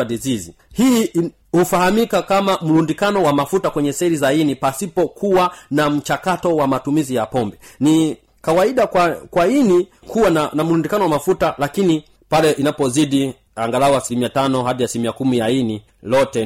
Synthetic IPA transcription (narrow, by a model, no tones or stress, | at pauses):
aɗizizi | hiː | hufahamikakamam̩ɾundikanɔwamafutakwɛɲɛsɛɾizainipasipɔkuwanam̩t͡ʃakatɔwamatumizijapɔmbɛni | kawaiɗakwakwaini | kuwananam̩ɾundikanɔwamafutalakini | palɛʔinapɔziɗi | aŋɡalaɔasilimiatanɔhaɗiasilimiakumijaini | lɔtɛ